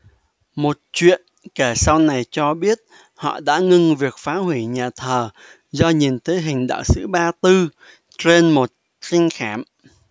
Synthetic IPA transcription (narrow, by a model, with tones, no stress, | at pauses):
mo˨˩t̚t͡ɕwḭ˧˨ənke˧˩sa˧wna˨˩jt͡ɕɔ˧ɓi˦˥ət̚ | hɔ̰˧˨ɗa̰ː˧˥ŋɨ˧ŋvi˨˩ək̚faː˨˦ɦwi˧˩ɲaː˨˩t̪ʰəː˨˩ | zɔ˧ɲi˨˩nt̪ʰe˨˦jɦï˨˩ŋ̟ɗa̰ː˧˨wsɨ̰˧˥ɓaː˧t̪ɨ˧ | t͡ɕe˧nmo˨˩t̚ | si˧ŋ̟xaː˧˩m